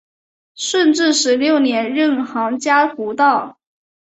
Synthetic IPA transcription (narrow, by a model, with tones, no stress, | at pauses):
ʂə˥˧nʈ͡ʂɻ̩˥˩ʂɻ̩˧˥ljo˥˩ʊnjɛ˧˥nɻə˥˩nxɑ˧˥ŋt͡ɕja˥xu˧˥t̪ɑ˥˩ʊ